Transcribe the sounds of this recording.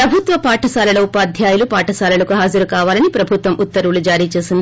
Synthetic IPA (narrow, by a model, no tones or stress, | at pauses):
pɾɐbʱut̪ʋɐpaːʈʰɐsaːlɐlɐupaːd̪ʱjaːjulupaːʈɐsaːlɐlɐkuɦaːd͡ʒɐɾukaːʋaːlɐnipɾɐbʱut̪ʋɐmʔut̪ːɐɾuulud͡ʒaːɾiːt͡ʃe̞ːsind̪i